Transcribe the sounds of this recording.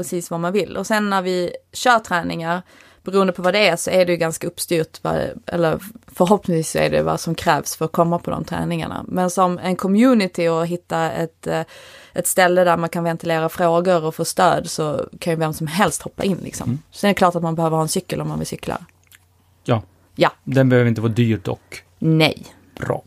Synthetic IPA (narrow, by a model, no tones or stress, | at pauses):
pɾɛsiːsvamanvɪlːʔɔsɛnːæɾvɪɕœːʈ̪ʰɾɛːnɪŋaɾ | b̥ɛɾuːənd̪əpʰɔvad̪ɛæsɔæɖɛjɵɡanskaɵpːst̪yːɾʈ̪va̰ʔɛ̰lːəɾfœɾɦɔpnɪŋsviːsæ̰ɖɛ̰j̰va̰sɔmkʰɾɛːvsfœɾɔkʰɔmːapʰɔd̪ɔ̰mt̪ʰɾɛ̰ːnɪŋa̰ɳa̰mɛnsɔmɛ̰nkʰɔmjʉːnɪt̪ɪɔɦɪt̪ːaɛ̰t̪ | ʔɛt̪st̪ɛlːəd̪æɾmankʰanvɛnt̪ɪleːɾafɾoːɡʊɾɔfoːst̪ø̰ːd̪sɔkʰanjɵvɛmsɔmɦɛlst̪hɔpːa̰ʔɪnːlɪ̰ksɔ̰msɔd̪ɛɛklɑːʈat̪manbɛhøːvəɾhɑːɛnsʏkːəlɔmːanvɪ̰lsʏkːla̰ɾ | jɑ | jad̪ɛnbɛhøːvəɾɪnt̪əvɑːd̪yːɾd̪ɔ̰k | nɛj | bɾɑ̰ː